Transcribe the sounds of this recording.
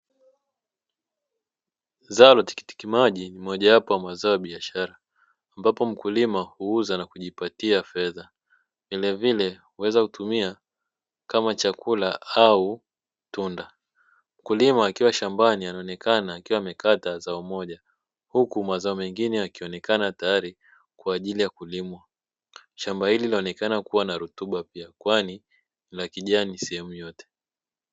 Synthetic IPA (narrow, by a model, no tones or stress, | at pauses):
zalɔti̥ki̥ti̥kimaʄinim̩ɔʄajapɔwamazaɔaɓiaʃaɾaː | mbapɔm̩kulimahuuzanakuʄipatiafɛða | vilɛvilɛhuwɛzakutumia | kamat͡ʃakulaau | tunda | m̩kulimaːkiwaʃambanianaɔnɛkanaːkiwamɛkatazaumɔʄa | hukumazaɔmɛŋɡinɛakiɔnɛkanatajaɾi | kwaːʄilijakulimwa | ʃambahilinaɔnɛkanakuwanaɾutuɓapiakwani | lakiʄaːnisɛhɛmujɔtɛ̥